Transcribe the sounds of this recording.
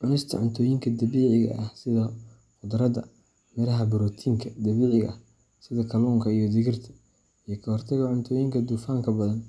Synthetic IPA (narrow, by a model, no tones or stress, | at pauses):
ʕʊnɪst̪ʰɐ̰ʕʊnt̪ʰɔːjɪŋkʰɐd̪ɐβiːʕɪɣɐ̰ʔɐhsɪðɐ | fʊd̪ɐɾɐd̪ɐ | mɛɾɐɦɐbɪɾɔːt̪ʰiːŋkʰɐd̪ɐβiːʕɪɣɐ̰ | sɪðɐkʰɐlɔːŋkʰɐijɞd̪ɪɣɪrt̪ʰɐ̥ | ijɞkʰɐhɔrt̪ʰɐɣɐʕʊnt̪ʰɔːjɪŋkʰɐd̪uːfaːŋkʰɐbɐðɐn